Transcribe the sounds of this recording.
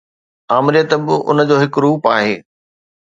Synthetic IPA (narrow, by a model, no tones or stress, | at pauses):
aːmɪɾijət̪bɪʔʊ̰nəd͡ʑoːɦɪkɾuːpaːɦeː